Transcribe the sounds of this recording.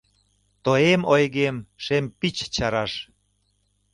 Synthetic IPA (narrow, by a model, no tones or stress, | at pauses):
t̪oemojɣemʃempit͡ɕt͡ɕɑɾɑʃ